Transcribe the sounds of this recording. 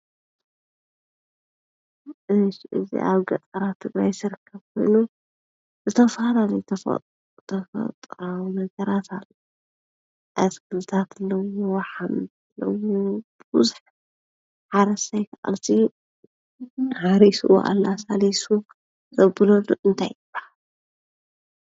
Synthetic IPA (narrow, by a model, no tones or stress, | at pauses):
ʔɨʃʔɨ̰zḭʔaβɡɐt͡sʼɐɾat̪ʰːɨɡɾajsɨɾɨkʰːɐβkʰo̰jnu | zɨt̪ʰɐfalalɐjt̪ʰɐf | t̪ʰɐfɐ̰t̪ʼɾawnɐɡɐɾat̪ʰalːo | ʔaskʰɨlt̪ʰat̪lːɐwowɐħam | lɐ̰wub̥bɨzuħ | ħaɾɐsajkʰaʔʼa̰lt̪ʰi | haɾisṵw̰ʔa̰lːasalisu | zɐbɨlɐluʔɨnt̪ʰajɨb̥ːahal